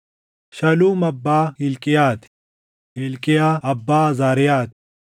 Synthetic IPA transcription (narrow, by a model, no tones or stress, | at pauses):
ʃɐluːmɐbːaːilkijaːt̪ | ilkijaːɐbːaːzaːɾijaːt̪̚